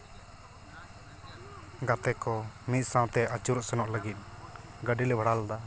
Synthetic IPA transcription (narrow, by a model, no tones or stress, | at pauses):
ɡat̪ɛkɔnit̪̚ˀsãw̃t̪ɛat͡ʃuɾɔʔsɛnɔʔləɡit̪̚ɡəɖilɛbʱəɽald̪a